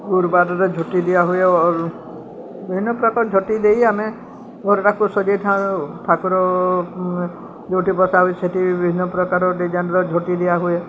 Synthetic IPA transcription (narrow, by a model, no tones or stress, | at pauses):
ɡuɾbaɾɔɾed͡ʒʱoʈid̪ibaɦueɾ | bibʱinːɔpɾɔkaɾɔd͡ʒʱoʈid̪ejame | ɡɔɾɔʈakusɔd͡ʒejʈʰãt̪ʰakuɾɔ | d͡ʒewʈʰipɔsaɦueseʈibibʱbʱinːɔpɾɔkaɾɔɖid͡ʒanɾɔd͡ʒʱoʈid̪iaɦue